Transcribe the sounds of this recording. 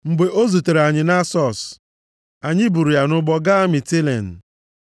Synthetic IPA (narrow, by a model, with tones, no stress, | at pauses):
ŋ͡m̩˨ɡ͡be˨ʔo˦zu˨te˨ɾa˨ɲɪ˨na˦sɔ˦˨s | a˨ɲɪ˦bu˨ɾu˨ja˨nʊ˦ɡ͡bɔ˦ɡa˦mɪ˨ti˦lḛ˨n̩˨